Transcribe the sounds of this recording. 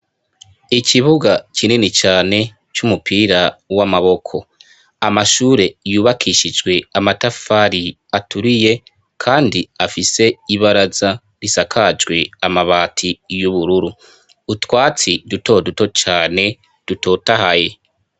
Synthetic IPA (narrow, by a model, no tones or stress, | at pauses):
icʰiβuɡacʰininit͡ʃaːne̞ | t͡ʃumupʰiːɾawamaβo̞kʰo̞ | amaʃuːɾe̞juːβakʰiʃid͡ʒɡwe̞amatafaɾi | atuɾije̞ | kʰaːndiafise̞iβaɾaza | ɾisakʰad͡ʒɡwe̞amaβaːtʰijuβuɾuɾuː | twaːt͡siduto̞duto̞t͡ʃaːne̞ | d̥uto̞ːtahaje̞